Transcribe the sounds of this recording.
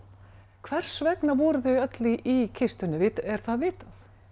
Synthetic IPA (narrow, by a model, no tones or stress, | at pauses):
kʰvɛr̥svɛknavɔːɾʏθœɥjœt̪liʔicʰɪst̪ʏnːʏvɪːt̪ɛɾ̥θaðvɪːt̪aθ